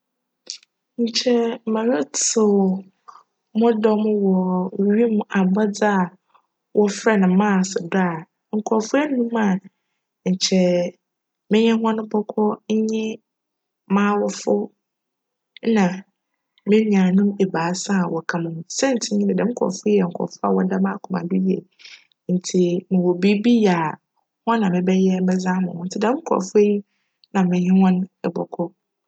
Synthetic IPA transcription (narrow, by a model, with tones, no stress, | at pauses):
ɲ̩˨t͡ɕʰɛ˦˨mã˨ɾa˦tʊ˨ | mʊ̃˦dɔ˦mʊ̃˦wɔ˨wwi˦mʊ̃˨˦a˨ɡ͡ba˦d͡za˦a˨ | wʔɔ˦fɾɛ˦nʊ̃˨˦mãː˦˨sʊ˨da˦˨ | ŋ̩˨kʰɔ˨fʊ˦ɛ˦nũ˦mã˨ | ɲ̩˨t͡ɕʰɛ˦ | mɪ̃˦ɲɛ̃˦hã˦nʊ̃˦pʰɔ˦kʰɔ˦ɲ˦ɲɪ̃˦ | mãː˦wɔ˦fʊ˦ | nã˨ | mɪ̃˦mĩ˨ã˨nʊ̃˦mɛ˨baː˨˦sã˦a˨wɔ˨kʰã˨mʊ̃˨m̃˨sɛ̃˦n̩˨tʰɪ˦ɲɪ̃˦nɪ̃˨dɛ̃˨m˦kʰɔ̰˨fʊ˦i˦ɛ˨ŋ̩˨kʰɔ̰˨fʊ˦a̰˨wɔ˦da˦mã˦kʰʊ˨mã̰˨dʊ˦di˨ɛ̰˨˦ | n̩˨tʰi˨nɪ̃˨wo˨bi˦bi˦a˨ | hɔ̃˦nã˨mɪ̃˨bɛ˦jɛ˦m̩˦bɛ˦zã˦mʊ̰̃˨hɔ̃˨n̩˦tʰɪ˦dɛ̃˦m˦kʰɔ̰˨fʊ˦e˦i˦ | nã˨mɪ̃˨ɲɪ̃˦hɔ̃˦nɛ˨bɔ̰˨kʰɔ˦